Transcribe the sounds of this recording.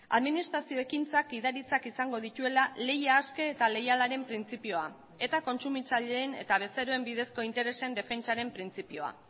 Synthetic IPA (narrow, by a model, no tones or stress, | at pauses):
a̰ðminist̪ɾasio̞e̞kint͡sakiðaɾit͡sakisaŋɡo̞ð̞it̪ue̞lale̞jaːske̞ːt̪ale̞jalaɾe̞mpɾint͡sipio̞a | e̞t̪ako̞nt͡sumit͡saʎeene̞̰t̪aβ̞e̞st̪eɾoe̞mbiðe̞sko̞int̪e̞ɾe̞se̞nd̪e̞fe̞nt͡saɾe̞mpɾint͡sipio̞a̰